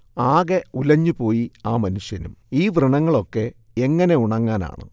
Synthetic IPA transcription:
aːɣeulɐɲːupo̞ːjiaːmɐnuɕjɐnṵmiːʋrɨɳɐŋːɐɭo̞kːe̞ | eŋːɐne̞uɳɐŋːaːna̰ːɳɨ̰

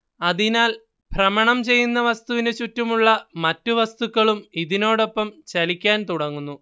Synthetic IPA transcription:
ɐðinaːl | bʱrɐmɐɳɐmt͡ɕe̞jːunːɐʋɐst̪uʋinɨt͡ɕutːumuɭːɐmɐtːuʋɐst̪ukːɐɭumiðino̞ːɽo̞pːɐmt͡ɕɐlikʲːaːnt̪uɽɐŋːunːu

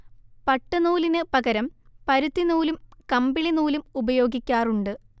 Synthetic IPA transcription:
pɐʈːɐnuːlinɨpɐɡɐɾɐmpɐɾut̪ːinuːlumkɐmbiɭinuːlumubɐjo̞ːɡikʲːaːruɳɖɨ

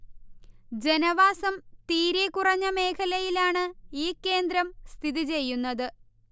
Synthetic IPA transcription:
d͡ʑe̞nɐʋaːsɐmt̪iːɾekurɐɲːɐme̞ːkʰɐlɐjilaːɳɨiːkːe̞ːnd̪ɾɐmst̪ʰiðit͡ɕe̞jːunːɐðɨ

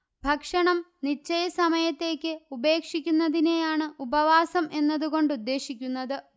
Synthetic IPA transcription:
bʱɐkʂɐɳɐmnit͡ɕːɐjɐsɐmɐjɐt̪ːe̞ːkʲːɨube̞ːkʂikʲːunːɐðine̞jaːɳɨubɐʋaːsɐme̞nːɐðuɣo̞ɳɖud̪ːe̞ːɕikʲːunːɐðɨ

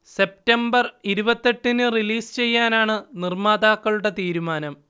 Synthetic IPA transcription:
se̞p̚tɐmbɐriɾubɐt̪ːe̞ʈːinɨriliːst͡ɕe̞jːaːnaːɳɨnirmaːd̪aːkːɐɭuɽe̞t̪iːɾumaːnɐm

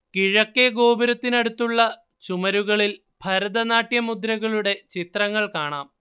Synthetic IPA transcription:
kiɻɐkːeɡo̞ːbɐɾɐt̪ːinɐɽut̪ːuɭːɐ | t͡ɕumɐɾuɣɐɭil | bʱɐɾɐd̪ɐnaːʈjɐmud̪ɾɐɣɐɭuɽe̞t͡ɕit̪rɐŋːɐɭkaːɳa̰ːm

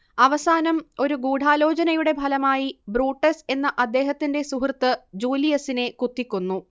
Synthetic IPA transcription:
ɐʋɐsaːnɐmo̞ɾuɡuːɖʱaːlo̞ːt͡ɕɐnɐjuɽe̞bʱɐlɐmaːjibruːʈːese̞nːɐʔɐd̪ːe̞ːɦɐt̪ːinde̞suɦrt̪ːɨd͡ʑuːlijɐsine̞kut̪ːikʲːunːu

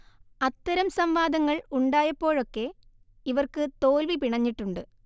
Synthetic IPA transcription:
ɐt̪ːɐɾɐmsɐmʋaːd̪ɐŋːɐɭuɳɖaːjɐpːo̞ːɻo̞kːe̞ | iʋɐrkɨt̪o̞ːlʋipiɳɐɲːiʈːuɳɖɨ

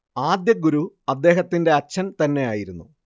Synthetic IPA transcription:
aːd̪jɐɡuɾuɐd̪ːe̞ːɦɐt̪ːinde̞ɐt͡ɕːɐnt̪ɐnːe̞jaːjiɾunːu

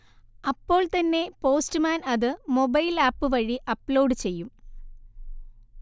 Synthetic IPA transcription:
ɐpːo̞ːɭt̪ɐnːe̞po̞ːstɨmaːnɐðɨmo̞bɐjlaːpːɨʋɐɻiʔɐpːlo̞ːɖɨt͡ɕe̞jːum

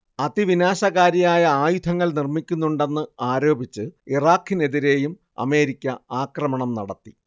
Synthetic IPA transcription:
ɐd̪iʋinaːɕɐɣaːɾɐjaːjɐaːjut̪ʰɐŋːɐɭnirmikʲːunːuɳɖe̞nːɨaːɾo̞ːbʱit͡ɕːɨiraːkːine̞ðiɾe̞ːjum | ɐ̰me̞ːɾikʲːɐaːkrɐmɐɳɐmnɐɽɐt̪ːi

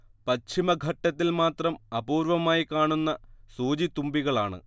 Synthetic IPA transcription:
pɐt͡ɕʰimɐɡʱɐʈːɐt̪ːilmaːt̪rɐmɐbuːɾʋɐmaːjikaːɳunːɐsuːd͡ʑit̪umbiɣɐɭaːɳɨ̰

